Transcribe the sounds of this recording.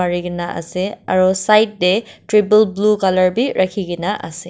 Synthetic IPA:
aɾiɡinaʔɐ̰sea̰ɾɔsajt̚detɾibəlblukalɐɹbiɾʔakʰiɡinaʔɐ̰se

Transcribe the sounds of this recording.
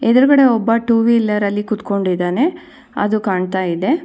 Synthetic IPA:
ed̪ɐɾuɡɐɽe̞ɔbːɐʈuːʋiːlːɐɾɐlːikut̪ko̞ɳɖid̪aːne̞ | ɐ̰d̪ukaːɳt̪aːjid̪e̞

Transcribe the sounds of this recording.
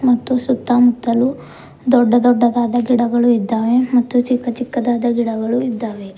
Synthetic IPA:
mɐt̪ːusut̪ːamut̪ːɐlu | d̪ɔɖːɐd̪ɔɖːɐd̪aːd̪ɐɡiɽɐɡɐɭuid̪ːaːʋemɐt̪ːut͡ʃikːɐt͡ʃikːɐd̪aːd̪ɐɡiɽɐɡɐɭuid̪ːaːʋe

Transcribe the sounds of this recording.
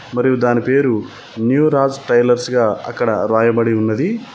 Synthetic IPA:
mɐɾijud̪aːnipe̞ːɾu | njuːɾaːd͡ʒʈɐjlɐɾsɡaːɐ̰kːɐɽɐɾaːjɐbɐɽiunːɐd̪i

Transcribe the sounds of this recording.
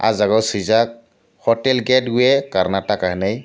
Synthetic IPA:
a̰zaɡɔwsizak̚ | hɔtɛlɡɛd̚ɡujɛkaɾnatakaɦnaj

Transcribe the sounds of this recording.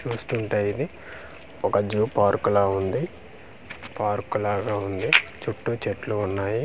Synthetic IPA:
t͡ʃuːst̪uːɳʈɐjid̪i | ɔkɐd͡ʒuːpaːɾkulaːund̪i | paːɾkulaːɡaːund̪it͡ʃuʈːut͡ʃeʈluːnːaːji

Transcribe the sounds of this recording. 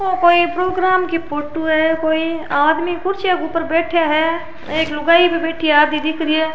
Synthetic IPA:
okoːipɾoːɡɾaːmkipʰoːʈoɦɛkoːiaːd̪mikʊɾt͡ʃjakupəɾbɛːʈʰjaɦɛ | eːklʊɡaːipebɛːʈʰiaːd̪mid̪ɪkʰɾie

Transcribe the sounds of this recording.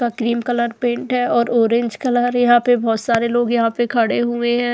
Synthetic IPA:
akɾiːmkɐləɾpẽːɳʈɦɛɔːɾoːɾɪ̃ɲd͡ʒkɐləɾjɐɦãpebɔːt̪saːɾeloːɡjɐɦãpekʰɐɽeɦʊeɦɛ̃ː

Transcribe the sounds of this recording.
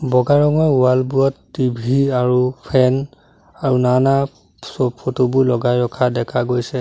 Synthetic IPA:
bɔɡaɹɔŋɔjualbuɔtːibʱiaɹupʰɛn | aɹunana | sɔpʰotubʊlɔɡajɹɔkʰadɛkʰaɡojsɛ

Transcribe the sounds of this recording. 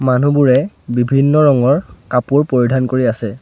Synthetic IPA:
manubuɹɛ | bibʱinːɔɹɔŋɔɹkapuɹpoɹidʱankoɹiasɛ

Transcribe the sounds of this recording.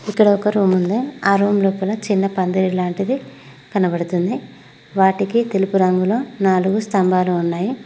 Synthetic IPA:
ikːɐɽɐɔkɐɾuːmund̪eaːɾoːmluːpɐlɐt͡ʃinːɐpɐnd̪ɐɾilaːɳʈid̪i | kɐnɐbɐɽut̪und̪i | ʋaːʈikit̪e̞lupuɾɐŋɡulo̞ːnaːluɡust̪ɐmbaːluːnːaːji

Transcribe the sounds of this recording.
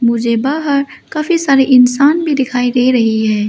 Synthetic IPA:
mʊd͡ʒʱebaːɦəɾ | kaːfisaːɾeʔɪnsaːnbʱid̪ɪkʰaːiɾeɾɐɦiɦɛː

